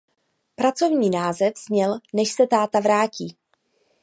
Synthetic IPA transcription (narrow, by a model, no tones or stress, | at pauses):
pɾat͡so̞vɲiːnaːzɛfz̥ɲɛlnɛʃsɛt̪aːt̪avɾaːciː